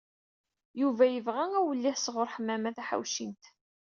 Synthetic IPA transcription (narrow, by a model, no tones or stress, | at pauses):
juvæjəvʁææwəlːiħsʁʊɾħəmːæmæθæħa̰wʃint̪